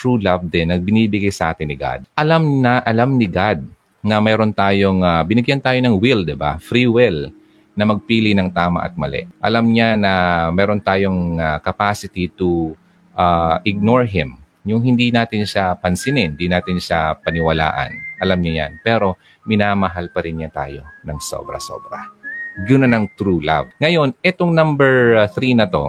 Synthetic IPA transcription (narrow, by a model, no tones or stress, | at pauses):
t̪ɹulavd̪ɛnːɐɡ̚bɪniːbɪɡajsɐʔaːt̪ɪnːɪɡa̰d̪̚ʔɐlamnɐʔɐlamnɪɡad̪̚ | nɐmɛːɾo̞nt̪aːjoŋabɪnɪɡjant̪aːjo̞nɐŋwild̪ɪba̰fɾiwɛl | nɐmɐɡ̚piːlɪnɐŋt̪aːmɐ̰ʔɐ̰t̪̚mɐ̰lɛ̰ʔʔɐlamɲanɐmɛːɾo̞nt̪aːjo̞ŋakɐpasɪt̪it̪u | ʔaʔɪɡ̚noɹɦɪm | jʊŋɦɪnd̪inaːt̪ɪnʃapɐnsɪnɪnd̪inaːt̪ɪnʃapɐnɪwɐla̰ːʔɐ̰nʔɐlamɲaja̰npɛːɾo̞ | mɪnaːmɐɦalpɐɾɪnɲat̪a̰ːjo̞nɐŋso̰bɾɐ̰so̰bɾɐ̰ɡʊnɐnɐŋt̪ɾula̰vŋɐjo̞nʔɛt̪oŋnãmbɛɹθɾinɐt̪o̞̰